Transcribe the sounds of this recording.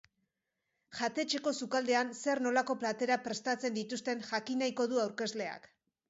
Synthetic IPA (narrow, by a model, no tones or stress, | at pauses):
ʝat̪e̞t͡ʃe̞ko̞sukald̪e̞anse̞ɾno̞lako̞plat̪e̞ɾapɾe̞st̪at͡se̞nd̪it̪ust̪e̞nʝakinajko̞ðuawɾke̞zle̞a̰k